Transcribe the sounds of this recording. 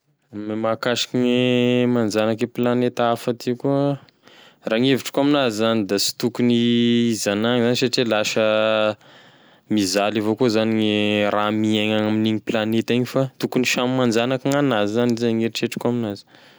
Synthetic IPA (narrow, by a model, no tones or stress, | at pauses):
mmakaʃi̥kiŋemand͡ʒanakeplanet̪afat̪ikuə | raŋeviʈ͡ʂkuaminazizanid̪asi̥t̪ukuniizanaŋzanisaʈ͡ʂilaʃə | mizalivokuzaniŋeramieŋaŋaminiɲiplanet̪aiɲifat̪ukuniʃammand͡ʒanakaŋanazizanizaŋeɾiʈ͡ʂeʈ͡ʂkuaminazi̥